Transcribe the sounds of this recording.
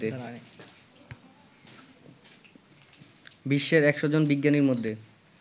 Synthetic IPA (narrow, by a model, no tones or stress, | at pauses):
t̪e | biʃːeɾɛkʃod͡ʑonbiɡːaniɾmod̪ʱːe